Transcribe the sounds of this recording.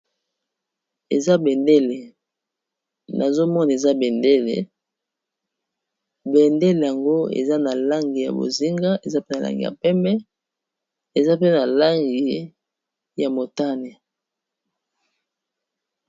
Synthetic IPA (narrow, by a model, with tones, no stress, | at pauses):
e˨za˦bɛ˨nde˦le˨ | na˨zo˦mɔ˦na˨e˨za˦bɛ˨nde˦lḛ˨ | bɛ˨nde˦le˨ja˨ŋɡo˦ḛ˨za˦na˨la˦ŋɡi˨ja̰˨bo̰˨zi˦ŋɡa˦e˨za˦pe˦na˨la̰˦ŋɡḭ˨ja̰˨pɛ˦mbɛ˦ | e˨za˦pe˦na˨la˦ŋɡi˨ | ja˨mo˨ta˦ne˨